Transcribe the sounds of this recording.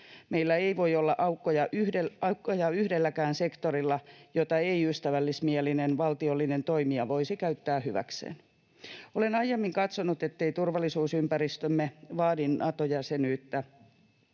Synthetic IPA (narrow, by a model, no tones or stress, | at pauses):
meilːæeiʋoiolːɑʔɑukːojɑʔyheɑukːojɑyhdelːækæːnsekt̪orilːɑjot̪ɑeiyst̪æʋælːismielinenʋɑlt̪iolːinent̪oimiɑʋoisikæyt̪ːæːhyʋæ̰ksḛːn | olenɑjːemːiŋkɑt̪sonut̪et̪ːeit̪urʋɑlːˑisuːsympærist̪ømːeʋɑːdinnɑt̪ojɑsenyːt̪ːæ